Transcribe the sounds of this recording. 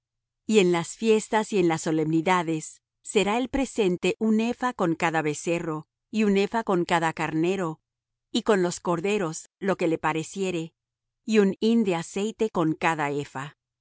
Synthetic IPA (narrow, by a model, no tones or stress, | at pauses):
ie̞nlasfje̞st̪asie̞nlasːo̞le̞mniðaðe̞sː | e̞ɾae̞lpɾe̞se̞nt̪e̞ʔune̞fako̞ŋkaðaβe̞se̞ro̞ | iune̞fako̞ŋkaðakaɾne̞ɾo̞ | iko̞nlo̞sko̞ɾðe̞ɾo̞slo̞ke̞le̞paɾe̞sje̞ɾe̞ | iunind̪e̞ase̞jt̪e̞ko̞ŋkaðae̞fa